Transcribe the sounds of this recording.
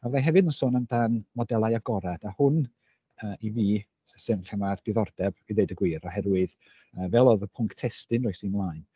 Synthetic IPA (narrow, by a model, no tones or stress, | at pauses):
awðaɦɛvɨdnəsoːnamdanmɔdɛlˠajaɡɔɾad̥ahʊn | əːʔiviː | ssɨnɬəmard̥ɪðɔrd̥ɛb̥iðejdəɡwiːɾɔɦɛdwɨð | əːvɛlˠɔðəpʰʊŋktʰɛstɨnrɔɨsimlˠaɨn